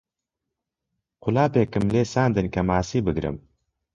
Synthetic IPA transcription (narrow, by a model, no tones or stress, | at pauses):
qʊlaːpeːkɨmleːsaːnd̪ɨnkɐmaːsiːbɨɡɾɨ̰m